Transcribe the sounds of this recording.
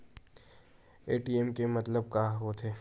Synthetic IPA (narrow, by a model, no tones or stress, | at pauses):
eːʈiɛmkemɐt̪ləb̚kaːɦot̪ʰeː